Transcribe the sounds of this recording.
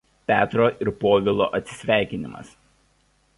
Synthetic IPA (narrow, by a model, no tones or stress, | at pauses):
pʲæːt̪ɾoːʔɪɾpoːʋʲɪlˠo̰ːʔɐt̪ʲsʲɪ̥sʲʋʲæˑɪkʲɪnʲɪmɐ̰s